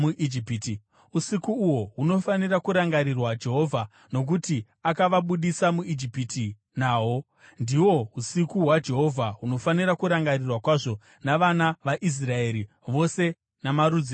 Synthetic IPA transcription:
uʔid͡ʒipiti | usikuːwo̞ɦuno̞fanirakuɾaŋɡaɾirwad͡ʒe̞ɦo̞vʱa | no̞k̬uti | akaʋaɓuɗisamuid͡ʒipitʰi | naːwo̞ | ndiwo̞usikuɦwad͡ʒe̞ɦo̞vʱaɦuno̞faniɾakuɾaŋɡarirwakwaʐo̞ | naʋanaʋaʔis̬rae̞ːɾi | ʋo̞se̞ | namaɾud͡zi

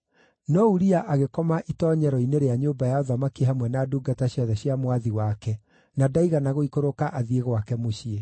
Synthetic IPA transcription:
nɔuɾiaʔaɣekɔmaʔitɔːɲɛɾɔineɾeaɲoːmbajaɔðamakeɦamwɛnaduːɡataɕiɔðɛɕjamwaðiwakɛ | nadaiɣanaɣoikoɾokaʔaðieɣwakɛmoɕie

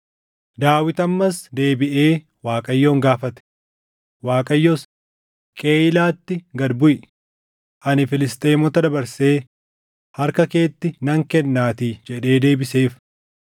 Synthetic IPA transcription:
d̪aːwɪt̪ɐmːɐsd̪e̞ːbɪʔe̞ː | waːkʼɐjːo̞ːŋɡaːfɐt̪ɛ̥ | waːkʼɐjːos | kʼeːjlaːt̪ːɪɡɐd̪bʊjɪ | ʔɐnɪfɪlɪst̪ʼeːmɔt̪ɐd̪ɐbɐɾseː | hɐɾkɐke̞ːt̪ːɪnɐŋkɛnːaːt̪id͡ʒɛᶑe̞ːd̪e̞ːbɪse̞ːf

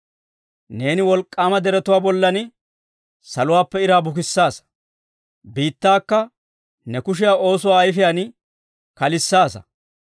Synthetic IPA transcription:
ne̞ːnɪwɔlkʼːaːmɐd̪ɛɾɛt̪ʊwaːbɔlːɐnɪ | sɐlʊwaːpːɛɪɾaːbʊk̬ɪsːaːs | biːt̪ːaːkːɐ | nɛkʊʃ̬ɪjaːʔo̞ːsʊwaːjfɪjan | kɐlɪsːaːsɐ̰

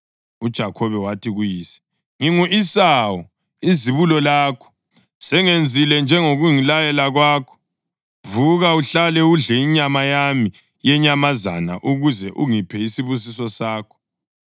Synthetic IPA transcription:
ud̥ʒ̥ʱakʰɔβɛwatʰiɣujiːsi̥ | ŋiŋuʔisawɔ | iziβulɔlaːkʰɔ̥ | sɛŋend͡zʱilɛnd͡ʒʱɛŋoɣuŋilajɛlaɣwaːkʰɔ̥ | vuɣauɬalɛuɮɛiɲamajami | jɛɲamaza̰na̰ʔuɣuzɛʔuŋipʰɛisiβus̬isɔsaːkʰɔ̥

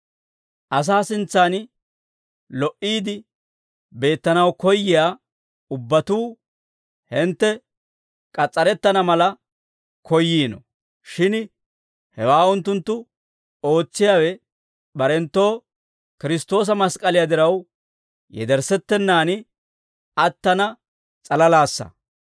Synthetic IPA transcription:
ʔɐs̬aːsɪnt͡sːaːn | lɔʔiːd̪ɪ | be̞ːt̪ːɐnɐwkɔjːɪjaː | ʊbːɐt̪uː | hɪnt̪ːɛ | kʼɐt͡sʼːɐɾɛt̪ːɐnɐmɐlɐ | kʰɔjːiːnɔ̰ | ʃɪn | hɛwaːʊnt̪ːʊnt̪ːʊ | o̞ːt͡sːɪjaːwɛ | bɐɾɛnt̪ːo̞ː | kɪɾɪst̪o̞ːs̬ɐmɐskʼɐlɪjad̪ɪɾɐw | jɛ̰d̪ɛɾsɛt̪ːɛnːaːn | ɐt̪ːɐnɐ | t͡sʼɐlɐlaːsːɐ̰

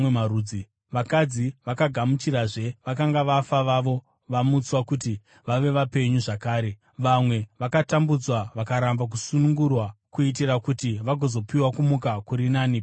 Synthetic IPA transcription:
earui | ʋakad͡ziʋakaɡʱamut͡ʃiɾaʐe̞ʋakaŋɡaʋafaʋaʋo̞ | ʋamut͡swakuti | ʋaʋe̞ʋape̞ɲuʐakaːɾe̞ | ʋamwe̞ʋakatambud͡zwaʋakaɾambak̬usunuŋɡurwakuit̬irakutiʋaɡʱo̞zo̞piwakumukakuɾinaːni

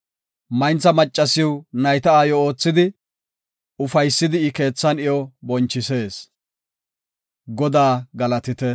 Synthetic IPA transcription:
mɐjnt͡sːɐmɐt͡ʃʼːɐsɪwnɐjt̪ɐaːjɔoːt͡sːɪd̪ɪ | ʊfɐjsːɪd̪ɪːke̞ːt͡sːɐnɪjɔbɔnt͡ʃːɪse̞ːs | ɡɔd̪aːɡɐlɐt̪ɪt̪ɛ

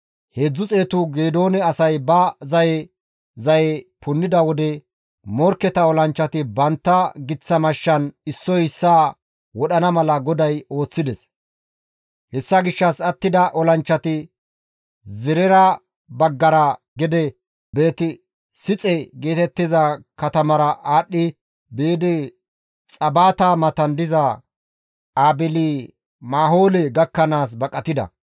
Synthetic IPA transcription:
he̞ːd͡zːʊt͡sʼe̞ːt̪ʊɡeːd̪o̞ːnɛɐsɐjbɐzɐjɛ | zɐjɛpʰʊnːɪd̪ɐwɔd̪ɛ | mɔɾkːɛt̪ɐɔlɐnt͡ʃːɐt̪ɪbɐnt̪ːɐɡɪt͡sːɐmɐʃːɐnɪsːɔjɪsːaː | wɔɗɐnɐmɐlɐɡɔd̪ɐjo̞ːt͡sːɪd̪ɛs | hɛsːɐɡɪʃːɐsɐt̪ːɪd̪ɐʔɔlɐnt͡ʃːɐt̪ɪ | zɪɾɛɾɐ | bɐɡːɐɾɐ | ɡɛd̪ɛ | be̞ːt̪ɪ | sɪt͡sʼɛɡe̞ːt̪ɛt̪ːɪzɐkɐt̪ɐmɐɾɐʔaːɗːɪ | beːd̪ɪ | t͡sʼɐbaːt̪aːmɐt̪ɐnd̪ɪzɐ | aːbɪliː | maːɦoːlɛɡɐkːɐnaːs̬bɐkʼɐt̪ɪd̪ɐ̰

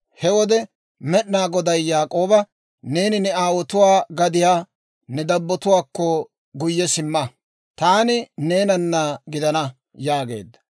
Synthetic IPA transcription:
hɛwɔd̪ɛ | mɛɗnaːɡɔd̪ɐjːaːkʼo̞ːbɐ | ne̞ːnɪnɛaːwɔt̪ʊwaːɡɐd̪ɪjaː | nɛd̪ɐbːɔt̪ʊwaːkːɔ | ɡʊjːɛsɪmːɐ | t̪aːnɪneːnɐnːɐɡɪd̪ɐnɐ | jaːɡe̞̰ːd̪ːɐ̥

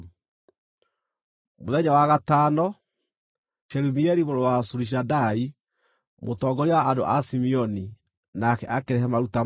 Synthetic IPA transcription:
moðɛɲawaɣatanɔ | ʃɛɾumiɛɾimoɾowasuɾiʃ̬adai | motɔːɡɔɾiwaːndo̰ʔasimiɔni | nakɛʔakeɾɛɦɛmaɾuta

